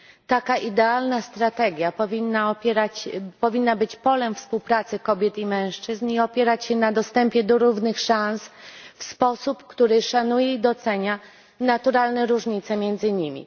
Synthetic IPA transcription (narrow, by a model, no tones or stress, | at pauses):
t̪akaʔid̪ɛalnast̪ɾat̪ɛɡʲjapɔvʲinːaɔpʲjɛɾat͡ɕpɔvʲinːabɘt͡ɕpɔlɛmfspuwpɾat̪sɘkɔbʲjɛt̪imɛ̃w̃ʂt͡ʂɘzniɔpʲjɛɾat͡ɕɕɛnad̪ɔst̪ɛmpʲjɛd̪ɔɾuvnɘxʂãnsfspɔsupkt̪uɾɘʂanujɛid̪ɔt̪sɛɲa | nat̪uɾalnɛɾuʐɲit̪sɛmʲjɛnd̪zɘɲimʲḭ